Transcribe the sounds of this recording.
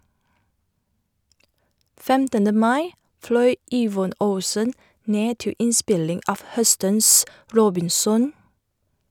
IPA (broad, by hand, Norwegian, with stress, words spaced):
ˈfɛmtənə ˈmɑɪ ˈflœʏ ˈiːʋɔn ˈəʊsən ˈneː ˈtɪ ˈʔɪˌspɪlɪŋ ˈɑːʋ ˈhœstəns ˈɹoːbɪnˌsɔn